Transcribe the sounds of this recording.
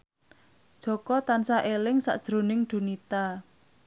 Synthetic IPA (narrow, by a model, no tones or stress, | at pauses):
d̥ʒ̥ɔ̤kɔt̪ansaʔelɪŋsa̰ʔd̥ʒ̥ɾo̤nɪŋɖ̪̥ṳnit̪a